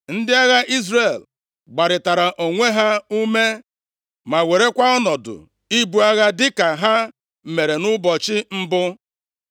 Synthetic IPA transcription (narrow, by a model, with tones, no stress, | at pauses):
n̩˦dɪ˦a˦ɣa˦ʔi˦zre˨l | ɡ͡ba˨ɾɪ˨ta˨ɾa˨ʔo˨ŋʷe˦ɦa˦u˦me˦ | ma˨we˨ɾe˦kʷa˦ɔ˦nɔ˨dʊ̰˨ | i˦bu˨a˦ɣa˦dɪ˦ka˨ɦa˦˨ | me˨ɾe˨nʊ˦bɔ˨t͡ʃɪ˦m̩˦bʊ˦